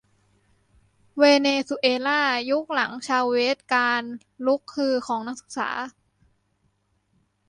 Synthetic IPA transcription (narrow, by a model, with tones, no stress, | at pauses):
weː˧neː˧su˧ʔeː˧laː˥˩ju˦˥k̚la˩˦ŋt͡ɕʰaː˧wweː˦˥t̪̚kaː˧n | lu˦˥kʰːɯː˧xʰɔː˩˦ŋna˦˥k̚sɯ̥˨˩k̚sa̰ː˩˦